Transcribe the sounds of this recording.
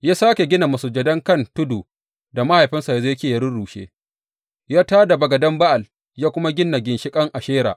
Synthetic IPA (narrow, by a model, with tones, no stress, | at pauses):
jaː˦saː˦kʲe˨ɡʲɪ˦na˨mɐ˨su˨d͡ʒɐ˨dɐ˦ŋkɐ˦˨ntʊ˦duː˨ | da˨ma˦ha˨jɸɪ˦nsa˨ja˨zo˦jɐ˦kʲeː˨jɐ˦ɽʊ˦ɽuː˨ʃḛː˦ | jaː˦taː˦da˨bɐ˨ɡɐ˨dɐ˦mba˦ʔa˨l | jaː˦kʷʊ˦ma˦ɡʲɪ˦nːa˨ɡʲɪ˨nʃɪ˦kʼɐ˦ŋʔa˨ʃeː˦ɾa̰ː˨ʔ